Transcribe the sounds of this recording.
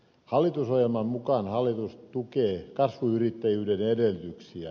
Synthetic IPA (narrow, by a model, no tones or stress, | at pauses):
hɑlːˑit̪usojelmɑmmukɑːnhɑlːˑit̪ustt̪ukeːkɑsʋuyrit̪ːæjyːdenedelyt̪yksiæ̰